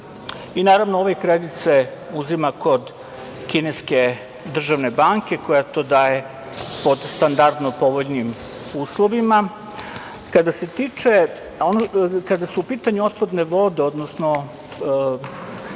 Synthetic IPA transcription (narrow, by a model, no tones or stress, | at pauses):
inaːɾaʋnooʋekɾed̪it̪se̞uzimako̞d̪ | kineske̞ | d̪r̩ʒaʋne̞baŋke̞ko̞jat̪o̞ːd̪aːje̞ | po̞d̪st̪and̪aɾd̪nopo̞ʋoʎnim | uːslˠo̞ʋima | kad̪ase̞t̪iːt͡ʂe̞ | onokad̪asuupiːt̪aɲuo̞t̪̚pad̪ne̞ʋo̞d̪e̞o̞d̪nosno